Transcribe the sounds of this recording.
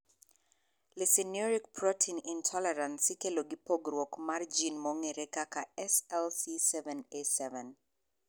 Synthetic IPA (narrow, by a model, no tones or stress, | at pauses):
lɪsiniɔɾik̚pɹɔtʰinintʰɔlɛɾansikeloɡipoɡɾwɔkmard͡ʒinmɔŋeɾekakaɛsɛlsisɛvɛnesɛvɛn